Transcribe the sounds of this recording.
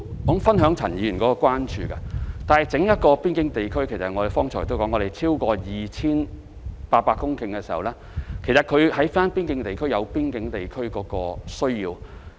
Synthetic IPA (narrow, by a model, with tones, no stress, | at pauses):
kɔ˨˥ŋfɐ˥nɦœː˨˥ŋt͡sʰɐ˨˩njiː˨˧jy˨˩nkɔ˨˦˥kɔː˧kʷwaː˥nt͡ʃyː˧kɐ˧t̪aː˨nhɐ˨jt͡sɪ˨˥ŋjɐ˥t̚kɔː˧piː˥nkɪ˨˥ŋt̪e˨jkʰɵ˥ɥkʰe˨˩jsɐ˨t̚ŋɔ˨˧ɾe˨˩fɔː˥ŋt͡sʰɔː˨˩jt̪o˥wkɔ˨˥ŋːɔ˨˧ɾe˨jt͡sʰiː˥wkɔː˧jiː˨t͡sʰiː˥n | paː˧t̚paː˧kːʊ˥ŋkɪ˧ŋkɛː˧siː˨hɐ˨˩wlɛː˥ | kʰe˨˩jsɐ˨t̚kʰɵ˨˧ɥhɐ˨˥jfaː˥npiː˥nkɪ˧˥ŋt̪e˨jkʰɵ˥ɥjɐ˨˧wpiː˥nkɪ˨˧˥ŋt̪e˨jkʰɵ˥ɥkɔː˨˥kɔː˧sɵ˥ɥjiː˧w